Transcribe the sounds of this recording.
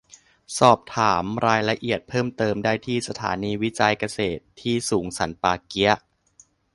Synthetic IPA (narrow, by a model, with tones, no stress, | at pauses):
sɔː˨˩p̚t̪ʰaː˩˦mɾaː˧jla˧ʔi˨˩ət̪̚pʰɤː˥˩mt̪ɤː˧mdaː˥˩jt̪ʰiː˥˩sa˧t̪ʰa̰ː˩˦niː˧wi˦˥t͡ɕa˧jka˧seː˨˩t̪ʰːiː˥˩suː˩˦ŋsa˩˦npaː˧ki˦˥ɐʔ